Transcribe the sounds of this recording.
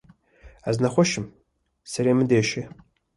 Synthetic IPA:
aznaχʷɔʃɪm | saɾemɨdejʃe

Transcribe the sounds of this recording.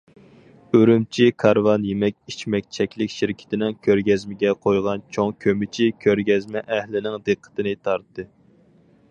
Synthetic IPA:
øɾymt͡ʃʰikʰɑɾvɑnjemɛkʲit͡ʃmɛk̚ʲt͡ʃʰɛkʲlɪkʲʃiɾkʲʰɪ̥t̪ɪnɪŋkʲʰøɾɡʲɛzmɪɡʲɛqʰojʁɑnt͡ʃʰoŋkʲʰømɪt͡ʃʰikʲʰøɾɡʲɛzmɛʔɛhlɪnɪŋd̪ɨqʰːə̥t̪ʰɪnɨt̪ʰɑɾt̪ːɨ

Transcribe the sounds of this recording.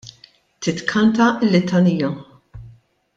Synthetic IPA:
t̪ɪt̪kʰɐnt̪ɐɪlːɪt̪ɐniːɐ

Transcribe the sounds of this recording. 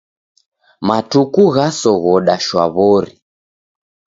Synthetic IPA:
matukuɣasɔɣɔɗaʃwa̰βɔɾi

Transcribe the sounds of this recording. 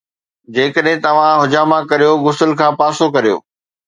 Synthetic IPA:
d͡ʑeːkəɗɦɪ̃t̪ɐʋ̤ãɦʊd͡ʑaːmãkɐɾijoɣʊsəlkʰãːpaːsokɐɾijo̰ː

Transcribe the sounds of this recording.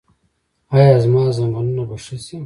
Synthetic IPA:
aːjaːzmɑːzamanunabaʂasi

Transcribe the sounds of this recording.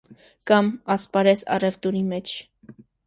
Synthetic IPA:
kɑmɑspɑɾɛsɑ̰rɛvt̪uɾimɛt͡ʃʰ

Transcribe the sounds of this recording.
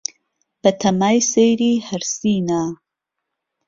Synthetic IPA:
b̥ɐt̪ʰɐmaːjsejɾiːhɐɾsiːnaː

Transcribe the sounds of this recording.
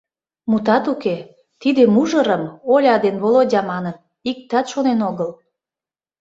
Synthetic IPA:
mut̪ɑt̪uke | t̪id̪emuʒəɾəmolʲɑd̪enβolodʲɑmɑnət̪̚ | ik̚t̪ɑt̪ʃonenoɣəl

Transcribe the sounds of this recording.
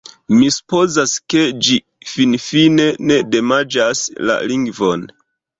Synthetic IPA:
misu̥po̞zaske̞d͡ʒi | finfine̞ne̞de̞mad͡ʒasla̰liŋɡvon

